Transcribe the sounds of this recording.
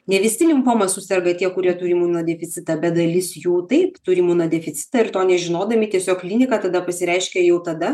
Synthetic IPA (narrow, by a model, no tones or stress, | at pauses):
nʲɛʋʲɪsʲɪlʲɪmpoːmɐsʊsʲɛrɡɐt̪ʲiɛkʊɾʲiɛt̪ʊɾʲɪmuːnɐd̪ʲɛfʲɪt̪sʲɪt̪ɐbʲɛt̪̚d̪ɐlʲɪsjuːt̪ɐɪpt̪ʊɾʲɪmuːnɐd̪ʲɛfʲɪt͡s̪ʲɪ̥t̪ɐɪrt̪oːnʲɛʒʲɪnoːd̪ɐmʲɪt̪ʲiɛsʲoːkklʲinʲɪkɐt̪ɐd̪ɐpɐsʲɪɾʲɛɪʃʲkʲɛjɛʊt̪ɐd̪ɐ